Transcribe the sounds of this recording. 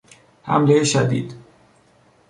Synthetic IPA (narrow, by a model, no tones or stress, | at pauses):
hæ̰mlejeʃæd̪iːd̪̥